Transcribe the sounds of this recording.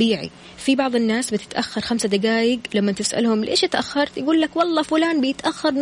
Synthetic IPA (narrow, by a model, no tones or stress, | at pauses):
iːʕḭ | fibɑʕðˤɪnːaːsbɪt̪ɪ̥t̪ʔaxːɑɾˤxamsad̪aɡaːjɪɡlamːat̪ɪsʔa̰lhʊmlʔḛːʃɪt̪ʔaxːɑɾˤt̪jɪɡuːlːakwɑlˤːɑːfʊlaːnbɪjɪt̪ʔaxːɑɾˤ